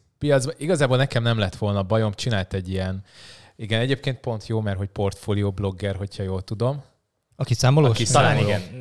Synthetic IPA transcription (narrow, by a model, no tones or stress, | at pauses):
pijɒd̪zbɒʔiɡɒzaːbolnɛkɛmnɛmlɛt̪ʋo̞lnɒbɒjo̞mt͡ʃinaːlt̪ɛɟːijɛn | iɡɛnɛɟeːp̚keːnt̪̚po̞nt̪joːmɛrɦo̞cpo̞rt̪foːlijoːblo̞ɡːɛrɦo̞chɒjoːlt̪ud̪o̞m | ɒkisaːmoloːkit̪ɒlaːniɡɛn